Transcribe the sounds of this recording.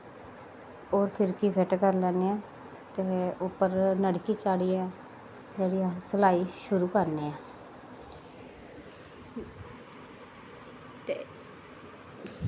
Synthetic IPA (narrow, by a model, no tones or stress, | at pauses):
oːɾpʰɪɾkiːpʰɪʈkəɾlɛːneːɛː | t̪eːʊpːəɾnəɽkiːt͡ʃaːɽiːɛː | d͡ʒeːɽiːsəlaːiːʃʊɾuːkəɾneːɛː | t̪e